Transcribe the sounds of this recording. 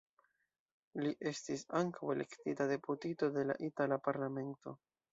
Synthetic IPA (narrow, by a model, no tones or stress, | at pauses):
liʔe̞stisaŋkawe̞le̞ktitade̞putito̞de̞la̰ʔitalapaɾlame̞nto̞̰